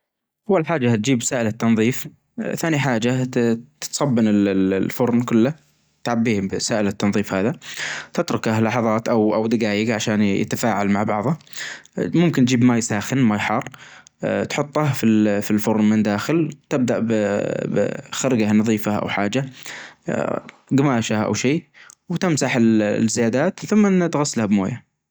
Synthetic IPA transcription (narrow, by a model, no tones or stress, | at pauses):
ʔawːalħaːd͡ʒːat̪̚d͡ʒiːbsaːʔɪlat̪ːɑnðˤiːf | θaːniħaːd͡ʒat̪t̪sˤɑbːɪnɪlfʊɾnkʊlːa | t̪ʕabːiːhbsaːʔɪlat̪ːɑnðˤiːfhaːðat̪ɪt̪ɾʊkahlɑħɑðˤɑːt̪ʔawʔawd̪ɪɡaːjɪɡʕaʃaːnjɪ̰t̪afaːʕalmaʕbɑʕðˤɑ | mʊmkɪnt̪̚d͡ʒiːbmajsaːxɪnmajħɑːrˤ | t̪ħʊt̪ˤːɑhfifilfʊɾˤmɪnd̪aːxɪlt̪ɪb̚d̪aʔbbxaɾɡanɑðˤiːfaʔa̰wħaːd͡ʒa | ɡamaːʃaʔa̰wʃeːwt̪ɪmsaħɪlzːɪjaːd̪aːt̪θʊmːt̪ɣasːalhabmo̰ːja